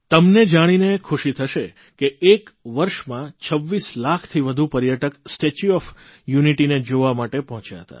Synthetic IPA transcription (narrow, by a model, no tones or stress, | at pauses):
t̪əmned͡ʒaɽ̃inekʰuʃit̪ʰəʃe | keekʋəɾʃmãt͡ʃʰəʋːislakʰt̪ʰiʋəd̪ʱupəɾjaʈəksʈet͡ʃuɔfjuniʈined͡ʒoʋamaʈepɔɦɔ̃t͡ʃja̰ɦət̪a̰